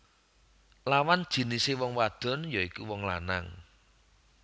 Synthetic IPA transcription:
lawand̥ʒ̥i̤nisewɔŋwad̪̥ɔ̤njɔikuwɔŋla̰na̰ŋ

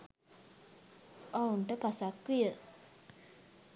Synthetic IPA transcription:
ʔauɳʈəpasakʋijə

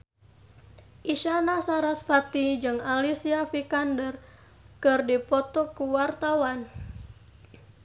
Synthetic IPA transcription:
ʔiʃanasaɾat̪fat̪id͡ʒɨŋalisiafikandər | kɨrdipɔt̪ɔkuwart̪awan

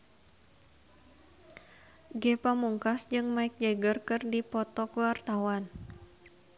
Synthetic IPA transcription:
ɡɛpamuŋkasd͡ʒɨŋmaɪk̚d͡ʒɛɡərkɨrdipɔt̪ɔkuart̪awan

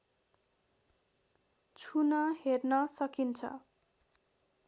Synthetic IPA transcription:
t͡sʰunʌhernʌsʌkint͡sʰʌ̰

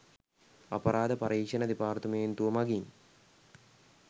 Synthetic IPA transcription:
ɐ̰pɐɾaːd̪ɐpɐɾiːkʂɐnɐd̪ipaːrt̪umeːnt̪uʋɐmɐɡin

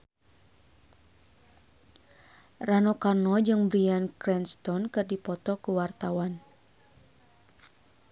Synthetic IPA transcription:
ranɔkarnɔd͡ʒɨŋbɾiankɾɛnst̪ɔnkɨrdipɔt̪ɔkuwart̪awan

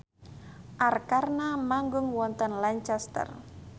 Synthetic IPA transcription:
ʔarkarnamaŋɡʊŋwɔnt̪ənlaɲt͡ʃɛst̪ə̰r

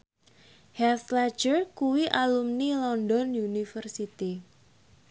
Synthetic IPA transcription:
hɛslḁd͡ʒərkuwiʔalumnilɔndɔnjunifərsit̪i

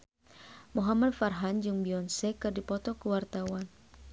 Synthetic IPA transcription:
muɦamad̚farɦand͡ʒuŋbiɔnsɛkɨrdipɔt̪ɔkəwart̪awan

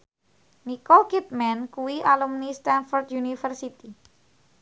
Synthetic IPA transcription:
nikɔkit̪̚mɛnkuwiʔalumnist̪ɛnfɔrt̪junifərsit̪i

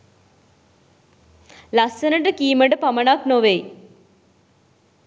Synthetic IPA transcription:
lasenəʈəkiːməʈəpamənaknoʋej

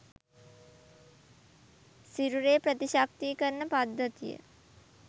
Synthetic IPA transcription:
siɾuɾeːpɾət̪iʃak̚t̪ikəɾnəpad̪ʱːət̪ijə̰

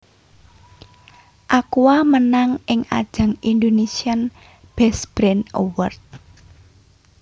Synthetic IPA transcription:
ʔakuwamənaŋʔɪŋa̰d̥ʒ̥a̤ŋind̪onesian | b̥ɛsb̥ɾɛnowərt̪̚

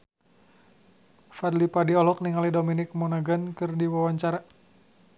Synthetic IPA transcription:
fadlipadiɔlɔk̚niŋalidominɪk̚mɔnaɡankɨrdiwawaɲt͡ʃaɾa

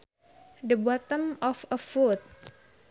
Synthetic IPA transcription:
dəbɔt̪ə̃mɔfəfut̪̚

